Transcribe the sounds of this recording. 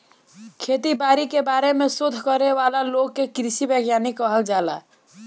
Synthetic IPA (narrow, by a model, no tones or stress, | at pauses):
kʰet̪ibaɾikebaɾemesud̪ʱːkəɾeβalalokːekɾisibəɡjanikəɦəld͡ʒala̰